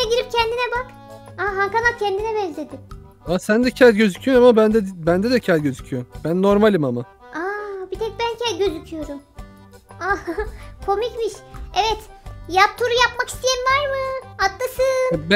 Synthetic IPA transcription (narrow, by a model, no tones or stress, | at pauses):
ɛɟiɾip̚cʰɛnd̪inɛbak | aɦaŋkanap̚cʰɛnd̪inɛbɛnzlʲe̞d̪ɪm | asænd̪ɛcʰælʲɟøzycʰyjoamabænd̪ɛbænd̪ɛd̪ɛcʰælʲɟøzycʰyjombænːo̞ɾmalʲimama | abit̪ʰɛc̚bæncʰɛlɟø̞zycʰyjo̞ɾum | akʰo̞micmiʃɛvɛt̪jap̚t̪ʰuɾujapmaki̥st̪ʰijɛnvaɾmɯat̪ːasɯnb